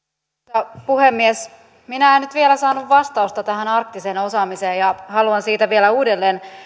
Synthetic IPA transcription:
tɑpuhemːies | minæenyt̪ʋielæsɑːnuʋʋɑst̪ɑust̪ɑt̪æhænɑrk̚t̪isenosɑːmiseːjɑhɑluɑnsiːt̪æʋielæuːdelːeːn

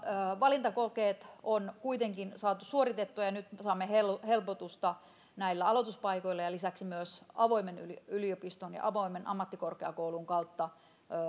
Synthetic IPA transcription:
ʋɑlint̪ɑkokeːt̪onkuit̪eŋkinsɑːt̪usuoɾit̪et̪ːuɑjɑnyt̪sɑːmːehelhelpot̪ust̪ɑ | næilːæɑlot̪uspɑikoilːɑjɑlisæksimyøsɑʋoimeny̰liyliopist̪onjɑ̰ʔɑʋoimenʔɑ̰mːɑt̪ːikorkeɑkouluŋkɑut̪ːɑ

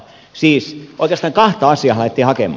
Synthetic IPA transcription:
siːsʔo̰ikˑeːst̪ɑːŋkɑht̪ɑɑsˑiɑhlɑit̪ːiːhɑkḛmˑɑ

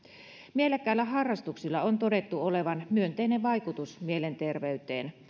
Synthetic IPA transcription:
mielækːˑæilːæɦɑrːɑst̪uksilːɑont̪ode̞t̪ːuoleʋɑnmyønt̪eːnːeʋɑjkut̪usmielent̪e̞rʋeyt̪ḛːn

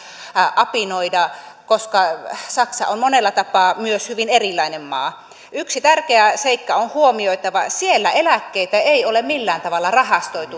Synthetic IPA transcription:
ʔɑpinoidɑkoskɑsɑksɑ̰onmonelːɑt̪ɑpɑːmyøshyʋinerilːˑɑinemmɑ̰ː | yksit̪ærkeæseikːɑonhuomioit̪ɑʋɑ̰sielːæʔelækːeit̪æeiolemmilːæːnt̪ɑʋɑlːɑrɑhɑst̪oit̪u

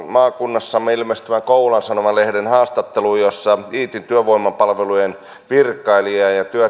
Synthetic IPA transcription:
mɑːkunːɑsːɑmːeilmest̪yʋækoulɑnsɑnomɑlehdenhɑːst̪ɑt̪ːelujosːɑiːt̪int̪yøʋoimːɑpɑlʋelujen | ʋirkˑɑiliɑjɑt̪yø

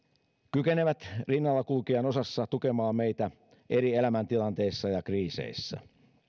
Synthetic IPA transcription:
kykeneʋæt̪rinːɑlːɑkulkiɑno̞sɑsːɑt̪ukemɑːmmeit̪æ | ʔeɾielæmænt̪ilɑnt̪e̞isːɑjɑkriːsḛisːɑ̰

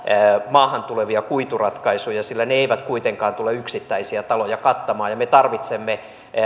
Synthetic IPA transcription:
mɑːhɑnt̪uleʋiɑkuit̪urɑt̪kɑisujɑsilːæneeiʋæt̪kuit̪eŋkɑːnt̪uleyksit̪ːæisiæt̪ɑlojɑkɑt̪ːɑmɑːjɑmet̪ɑrʋit̪semːe

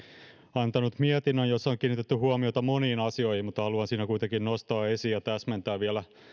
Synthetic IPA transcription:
ɑnt̪ɑnut̪miet̪inːønjosːɑoŋkiːnit̪et̪ːyhuomiot̪ɑmoniːnɑsio̞jhimmut̪ːɑhɑluɑnsiːnækuijt̪eŋkinnost̪ɑːesiːjɑt̪æsment̪æːʋʋiɛlæ

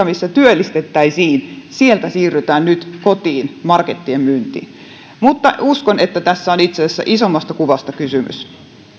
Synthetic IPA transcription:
ɑmisːæt̪yølːist̪et̪ːæisiːnsielt̪æsiːrːyt̪æːnnyt̪kot̪iːnmɑrket̪ːiemmynt̪ḭːn | mut̪ːɑuskonet̪ːæt̪æsːæonit̪sesæsːæ̰ʔisomːɑst̪ɑkuʋɑst̪ɑkysymy̰s

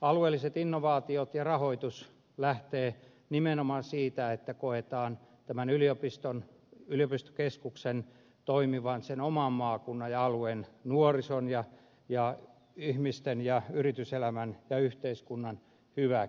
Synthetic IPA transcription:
ɑluelːiset̪inːoʋɑːt̪iot̪jɑrɑhoit̪us | læht̪eː | nimenomɑnsiːt̪æet̪ːækoet̪ɑːnt̪æmænyliopist̪on | yliopist̪o̥keskuksen | t̪oimiʋɑnsenomɑmmɑːkunːɑjɑɑluennuorisonjɑ | jɑ | ihmist̪enjɑyrit̪yselæmænjɑyht̪eiskunːɑn | hyʋæ

